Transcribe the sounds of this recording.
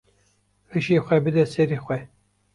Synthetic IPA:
rɨʃiːxʷɛbɨd̪ɛseɾixʷɛ

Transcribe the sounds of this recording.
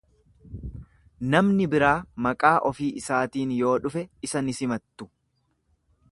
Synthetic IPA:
nɐmnɪbɪɾaːmɐkʼaːʔɔfiːʔɪsaːt̪iːnjo̞ːᶑʊfɛɪsɐnɪsɪmɐt̪ːʊ̥

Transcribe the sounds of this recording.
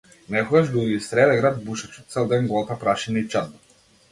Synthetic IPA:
nɛkɔɡaʒd̪uist̪ɾɛlɛɡɾad̪̚buʃat͡ʃu̥t̪t̪sɛlˠd̪ɛnɡɔlˠt̪apɾaʃinait͡ʃad̪na

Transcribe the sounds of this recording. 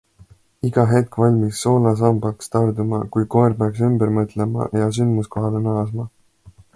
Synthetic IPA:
iɡ̥ɑɦe̞t̪̚kvɑlʲmisːo̞ːlɑs̬ɑmbɑkst̪ɑrd̪umɑkujko̞eɾpeɑks̬ymbeɾmɤt̪ˑlemɑ̰jɑsynd̪muskoɦɑlenɑɑsmɑ

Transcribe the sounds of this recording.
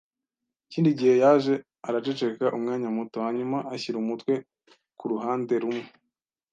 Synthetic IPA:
iciːndiɟihe̞jaːʒe̞ | aɾat͡ʃe̞t͡ʃe̞kaʔumŋaːɲamutohaɲumaʔaçiɾumutwe̞ | kuɾuɦaːnde̞ɾumŋe

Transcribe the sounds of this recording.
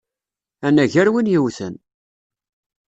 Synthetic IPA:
ænæʝæɾwinjiwθə̰n

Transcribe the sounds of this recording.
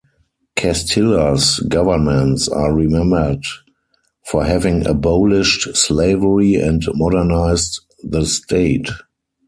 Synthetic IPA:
kʰɛstʰɪləsɡavə˞mɛ̃ntsa̰ːɹimɛ̃mbə˞d | fɔhɛvɪ̃ŋə̰bɔlɪʃtsleɪvəɹiɛ̰̃ntmɔdə˞naɪst | ðəstʰeɪt

